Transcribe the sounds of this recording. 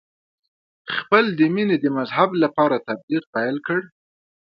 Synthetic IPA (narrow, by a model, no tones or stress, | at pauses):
xpəld̪əmined̪əmazɦablapɑɾat̪abliq̚pajlkəɽ